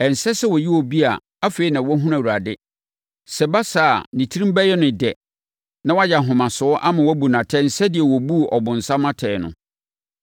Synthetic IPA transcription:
ɛ˨n̩˨sɛ˦sɛ˦wɔ˨ji˦wɔ˨bi˦a˨ | a˦fe˦i˦nã˨wɔ˦ɦũ˦ɾã˨u˨ɾa˨dɪ˦ | sɛ˨ba˦sa˨a̰˨nĩ˨tʰi˦ɾĩ˦mbɛ˦jɛ˦nʊ̃˨dɛ˨ | nã˦wa˦ja˨ɦʊ̃˨mã˨sʊ˨˦ɔ˦ʔa˦mã˨wɔ˦bu˨nã˨tʰɛ̃˦n̩˨sɛ˦dɪ˨ɛ˨wɔ˨bu˦˨ʔɔ˨bʊ̃˨n̩˨sa˦mã˦tʰɛ˨nʊ̰̃˨

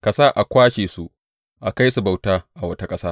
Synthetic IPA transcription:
kɐ˨saː˦ʔa˨kʷaː˦ʃeː˨su˦ʔ | ʔa˨ka˦jsu˨ba˨wtaː˦ʔa˨wɐ˦ta˦kʼɐ˦saː˦

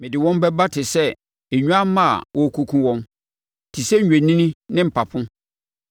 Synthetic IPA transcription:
mɪ̃˨dɪ˨wɔ̃˦m˦bɛ˦ba˦tʰɪ˨sɛ˦ | e˨ɲᶣũ˦a˦mã˦a̰˨wɔ˦˨kʰu˦kʰũ˦wɔ̃˦m | tʰi˨sɛ˦˨ẽ˨nĩ˦nĩ˦nɪ̃˦m̩˨pʰa˨pʰʊ̃˦

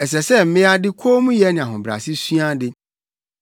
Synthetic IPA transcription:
ɛ˨s̬ɛ˨sɛ˦m̩˦mɪ̃˦a˦dɪ˦kʰo˦mũ˦jɛ˦nɪ̃˨a˨ɦʊ̃˨bɾa̰˨si˦su˦a˦dɪ˨

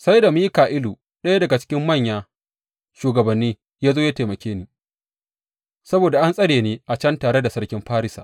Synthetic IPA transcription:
sa˦jda˨miː˦kaː˨ʔɪ˦luː˨ | ɗɐ˦ja˦dɐ˨ɡa˨t͡ʃɪ̥˦kʲɪ˦mːɐ˦˨ɲjaː˦ | ʃuː˨ɡɐ˨bɐ˨nːiː˦ | jaː˦zoː˦ja˦teː˨mɐ˨kʲʰeː˦niː˦ | sɐ˦boː˨da˨ʔa˦nsʼɐ˦ɽeː˨neː˦ʔa˨t͡ʃɐ˦ntaː˨ɽe˦da˨sɐ˦rkʲɪ˦mɸaː˦ɾɪ˦sa̰ː˨ʔ

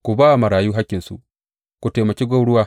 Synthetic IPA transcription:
ku˨baː˦a˨mɐ˨ɽaː˨juː˦ɦa˦kʲːɪ˨nsṵ˨ʔ | ku˨teː˨mɐ˨kʲi˦ɡʷa˦wɽʊ˦waː˦

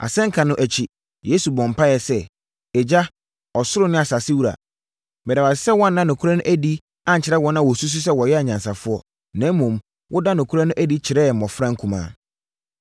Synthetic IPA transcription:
ʔa̰˨sɛ̃˦ŋ̩˦kʰã˨nʊ̃˦ʔæ˨t͡ɕʰi˨ | je˦su˨bɔ̃˨m˨pʰa˦jɛ˨sɛ˦ | ɛ˨d͡ʑa˦ | ɔ˨sʊ˦ɾʊ˦nɪ̃˦a˨sa˨sɪ˦wu˦ɾa̰˨ | bɛ˨da˨wa˨ssɛ˦wɔ̃˦nː˦ã˦nʊ̃˨kʰu˦ɾa˦nʊ̃˦ʔæ˦di˦ | ã˨ɲ̩˨t͡ɕʰɪ˨ɾɛ˦wɔ˦nːã˦wɔ˨su˦s̬u˦s̬ɛ˦wɔ˨jɛ˦a˨ɲã˨nsa˨fʊ˦ɔ˦ | nã˦m˦mũ˨m | wʔʊ˦da˦nʊ̃˨kʰu˦ɾa˦nʊ̃˦ʔæ˦di˦t͡ɕʰɪ˨ɾɛ˦˨m̩˨mɔ̃˨fɾã˦ŋ˦kʰũ˨mã̰ː˦˨

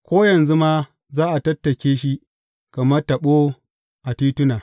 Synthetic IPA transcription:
kʷoː˦jɐ˨nzu˦maː˦ | zaː˦ʔa˨tɐ˦tːɐ˨kʲeː˦ʃi˦ | kɐ˨mɐ˦rtɐ˨ɓo˦ | ʔa˨tiː˦tʊ˦naː˨

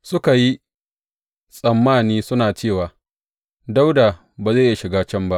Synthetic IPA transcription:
sʊ˦ka˨ji˦ | sʼɐ˨mːaː˦˨niː˦sʊ˦naː˨t͡ʃeː˦˨waː˨ | da˦wda˨ | baː˨za˦˨ja˦ʃɪ˨ɡaː˦t͡ʃɐ˦˨mba˦ʔ

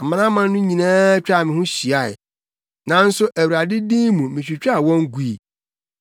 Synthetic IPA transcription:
m̩˨mã˨˦nã˦mã˦nː˦ʊ̃˦ɲĩ˨nãː˦t͡ɕᶣa˦˨mɪ̃˨hʊ̃˦ɕi˨a˦˨ɪ̰˨ | nã˨n̩˦sʊ˦ʔæ˨wu˨ɾa˨dɪ˦dĩ˦mũ˨mɪ̃˨t͡ɕᶣi˨t͡ɕᶣa˦˨wɔ̃˦ŋ˦ɡu˦˨i˨

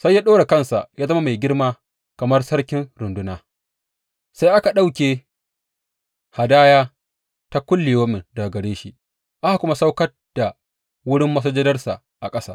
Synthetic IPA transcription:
sa˦jːaː˦ɗoː˦ɽe˨kɐ˦nsa̰˨ʔjaː˦zɐ˦ma˦ma˨jɡʲɪ˦rmaː˦ | kɐ˨mɐ˦rsɐ˦rkʲɪ˦nɾʊ˨ndʊ˦naː˦ | sa˦jʔa˦ka˨ɗa˦˨wkʲeː˨ | ha˨daː˦jaː˦ | ta˦kʷʊ˦lːɪ˨joː˦mɪ˨nda˨ɡɐ˨ɽeː˦ʃi˦ʔ | ʔa˦ha˨kʷʊ˦ma˦sa˦wkɐ˦ | d̥a˨ | wʊ˦ɽɪ˦mːɐ˦s̬ɐ˦d͡ʒɐ˦dɐ˦rsa̰˨ | ʔa˨kʼɐ˦saː˦

